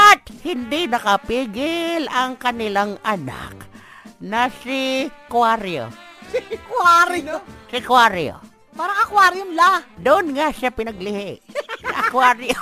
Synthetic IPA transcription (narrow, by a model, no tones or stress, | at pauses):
ʔɐt̪̚hɪnd̪inɐkɐpiːɡɪlʔɐŋkɐnɪlaŋʔɐna̰k̚ | nɐsɪkwaɾjo̰ | sɪkwaɾosɪkwaɾjo̰ | paːɾɐkɐkwaɾjonlad̪ʊʔonŋaʃapɪnɐɡlɪhɪʔɐkwaɾjo